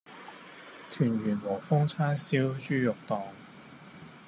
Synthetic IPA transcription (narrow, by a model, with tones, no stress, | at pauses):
t̪ʰyː˨˩nɥyː˨˩nmo˨˩wfʊ˥ŋt͡sʰaː˥nsiː˥wt͡ʃyː˥jʊ˨k̚t̪ɔː˨ŋ